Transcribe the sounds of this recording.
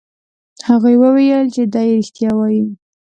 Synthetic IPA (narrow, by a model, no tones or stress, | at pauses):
haɣujwəwejəlt͡ʃed̪ɑjeeɾixt̪jɑwɑji